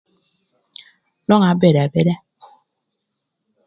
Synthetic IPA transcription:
nɔ˦ŋa˨˦be˨ɾa˨be˦da˦

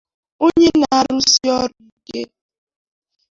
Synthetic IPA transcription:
o˦ɲe˦na˨a˦˨ɾʊ˦si˦ɔ˦ɾu˨i˨ke˦

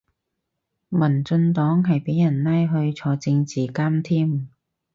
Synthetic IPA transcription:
mɐ˨˩nt͡sɵ˧nt̪ɔː˨˥ŋɦɐ˨jpe˨˥jːɐ˨˩nnaː˥jɦɵ˧ɥt͡sʰɔː˧t͡sɪ˧ŋt͡siː˨˩kaː˥mt̪ʰiː˥m

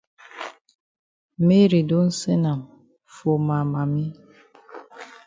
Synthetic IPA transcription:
me˦ɾi˨do˦n̩˦se˦na˨m | fo˨ma˨ma˨mi˦

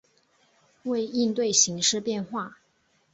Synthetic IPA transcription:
we˥˧ɪi˥˧nt̪we˥˩ɪɕi˧˥ŋʂɻ̩˥˧pjɛ˥˧nxwa˥˩

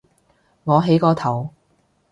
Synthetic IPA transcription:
ŋɔː˨˧ɦe˨˧˥jkɔː˧t̪ʰɐ˨˩w

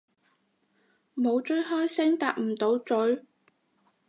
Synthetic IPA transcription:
mo˨˧wt͡ʃɵ˥ɥɦɔː˥jsɪ˥ŋt̪a̰ː˧k̚m̩˨˩t̪o˨˧wt͡sɵ˨˥ɥ

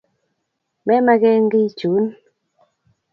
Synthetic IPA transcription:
mɛ˦ma˦kɛ˦ŋɡi˦t͡ʃu˨˦n

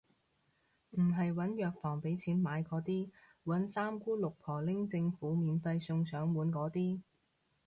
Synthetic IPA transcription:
m̩˨˩ɦɐ˨jwɐ˨˥njœː˨k̚fɔː˨˩ŋpe˨˥jt͡sʰiː˨˥nmaː˨˧jkɔː˨˧t̪iː˥ | wɐ˨˥nsaː˥mkuː˥lʊ˨k̚pʰɔː˨˩lɪ˥ŋt͡sɪ˧ŋfuː˨˥miː˨nfɐ˧jsʊ˧ŋsœː˨˥ŋwuː˨˥nkɔː˨˥t̪iː˥

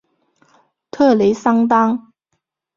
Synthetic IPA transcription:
t̪ʰɤ˥˩le˧˥ɪsɑ˥ŋt̪̬ɑ˥ŋ

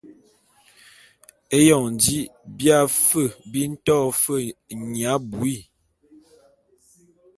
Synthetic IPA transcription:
e˦jɔ˨ŋn˨di˦bja˦˨fə˦˨bi˦n̩˦tɔː˦˨fə˦˨ɲa˨˦bu˨i˦˨

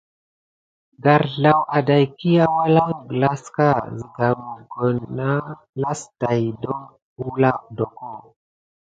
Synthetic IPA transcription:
ɡa˨ɾɮa˨wʔa˨da˨jki˦ja˦wa˦la˦ŋɡla˦ska˦˨zi˨ɡa˨mu˨ɡo˨nːa˦ | la˦sta˨jdo˦ŋ | u˦la˦˨do˨ko˦˨

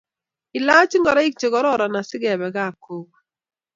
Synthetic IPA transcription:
ɪ˨la˦t͡ʃi˦ŋɡɔ˨ɾa˦i˦k̚t͡ʃe˨ɣɔ˦ɾɔ˦˨ɾɔ˨na˨sɪ˦ɡɛ˨βɛ˨ɡa˦˨ko˨k̚

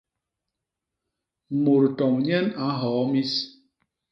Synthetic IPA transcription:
mo˨ɾtɔ˨mɲɛ˦na˨˦ɦɔː˨˦mi˦s

